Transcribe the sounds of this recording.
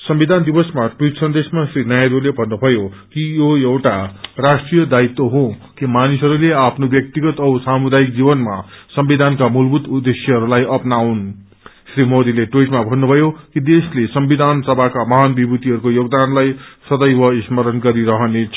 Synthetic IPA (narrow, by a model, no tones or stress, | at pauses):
sʌmbid̪ʱand̪ibʌsmaʈujʈsʌnd̪esmasrinajaɾolebʱʌnːubʱʌjo | kijoewʈarasʈrijʌd̪ait̪ːoɦõkimanisʌɾuleapʰnobjʌk̚t̪iɡʌt̪ʌwsamud̪ajik̚d͡zibʌnma̰sʌmbid̪ʱankamulbʱut̪ud̪esjʌɦʌɾulajʌpnawn | sɾimod̪ileʈuʈmabʱʌnːubʱʌjokid̪eslesʌmbid̪ʱansʌbʱakamʌɦanbibut̪iɦʌɾukojoɡd̪anlajsʌd̪ʌjbʌismʌɾʌnɡʌɾiɾʌɦʌnet͡sʰ